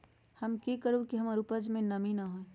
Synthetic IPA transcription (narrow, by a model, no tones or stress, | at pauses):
həmkikəɾõkiɦɐmaɾupəd͡ʒmẽnɐminaɦoẽ